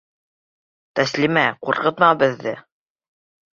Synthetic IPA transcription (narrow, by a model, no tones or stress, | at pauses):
t̪æslimæquɾqɤ̆t̪mɑbɘ̆ðːɘ